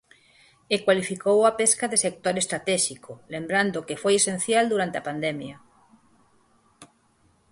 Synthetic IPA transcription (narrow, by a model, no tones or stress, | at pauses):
ekwalifikowapeskaðesek̚t̪oɾest̪ɾat̪ɛʃikʰolembɾand̪okefojesẽn̟θjald̪uɾant̪eapand̪ɛmjɐ